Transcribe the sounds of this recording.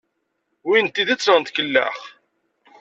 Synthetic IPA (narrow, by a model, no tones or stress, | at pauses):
wint̪ːiðət͡sːɾənt̪kəlːæ̰χ